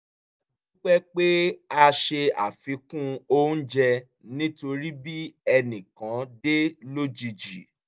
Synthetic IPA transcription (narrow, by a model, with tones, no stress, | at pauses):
dũ˦k͡pɛ˦k͡pe˦a˧ʃe˧a̰˨fĩ˨˧˦kũ˦o˦n̩˦d͡ʒɛ˧ | nĩ˦to˧ɾi˦bi˦ɛ˧nĩ˨kã˨˦de˦lo˦d͡ʒi˧d͡ʒi˨